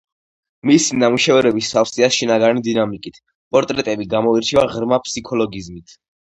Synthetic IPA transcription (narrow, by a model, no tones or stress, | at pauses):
misinamuʃɛvɛɾɛbisafsiasʃinaɡanid̪inamikʼit̪ʰ | pʼɔɾt̪ʼɾɛt̪ʼɛbiɡamɔiɾt͡ʃʰɛvaʁɾmapʰsikʰɔlɔɡizmit̪ʰ